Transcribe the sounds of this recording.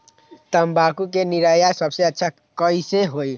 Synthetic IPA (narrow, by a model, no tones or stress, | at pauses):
t̪əmbakukeniɾəjasəbseətːʃʰa | kəjseɦoj